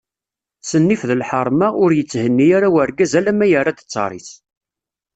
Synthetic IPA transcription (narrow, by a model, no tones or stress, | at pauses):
sənːifðəlħəɾˤmaʊɾjət͡sːhənːiaɾawəɾɡæzælæmæjərˤːad̪ə̥t͡sːɑ̰ɾˤḭθ